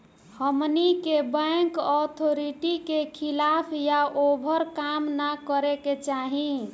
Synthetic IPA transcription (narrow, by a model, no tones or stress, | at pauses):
həmnikebəŋkɔt̪ʰoɾiʈikekʰilapʰjaʔobʱəɾkamnakəɾeket͡ʃaɦĩ